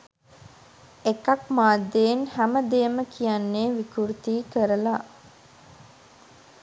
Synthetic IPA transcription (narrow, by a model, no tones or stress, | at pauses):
ekakmaːd̪ːenhæməd̪eəməkʰijanːeːʋikuɾt̪iːkəɾəla